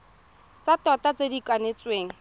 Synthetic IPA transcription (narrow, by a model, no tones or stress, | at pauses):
t͡satɔtat͡sedikʼwanet͡sweːŋ̩